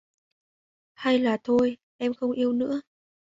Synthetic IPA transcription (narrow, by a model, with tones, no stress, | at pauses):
ha˧jlaː˨˩t̪ʰo˧j | ʔɛ˧mxə˧wŋ͡mʔi˧əwnɨ̰˧˥ə